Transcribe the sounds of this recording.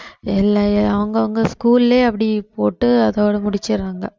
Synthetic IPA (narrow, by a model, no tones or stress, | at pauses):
ɛlːɐɐʋɐŋɡɐʋɐŋɡɐskuːlɪleːɐpːɐɽipoːʈːɯɐðɐːɽɐmʊɽɪt͡ʃːɪɾaːŋɡɐ